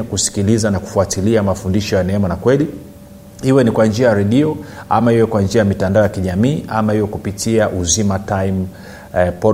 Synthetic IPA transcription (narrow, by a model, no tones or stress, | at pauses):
kusi̥kilizanaku̥fuatiliamafundiʃɔjanɛɛmanakwɛli | hiwɛnikwand͡ʒiajaɾɛɗiɔa̰mahiwɛkwand͡ʒiajamitandaɔjakiʄamiːʔamahijɔkupitiaʔuzimatajm | pɔ